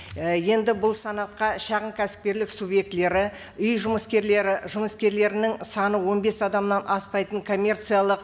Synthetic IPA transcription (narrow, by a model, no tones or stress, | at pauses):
je̞nd̪ɪbʊlˠsɑnɑt̪̚qɑʃɑʁəmkʲʰæsɪ̥p̚kʲe̞ɾlɪksubje̞k̚t̪le̞ɾɪ | ʏjʒʊməskʲe̞ɾle̞ɾɪʒʊməskʲe̞ɾle̞ɾɪnɪŋsɑnəwo̞nbe̞sɑd̪ɑmnɑnʔɑspɑjt̪əŋkʰo̞mʲːe̞rt̪sɨjalˠəq